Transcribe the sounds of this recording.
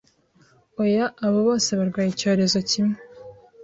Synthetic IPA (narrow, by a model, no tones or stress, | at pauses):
ojaʔːβoβo̞ːse̞βaɾɡwaːjico̞ːɾe̞zo̞cimŋe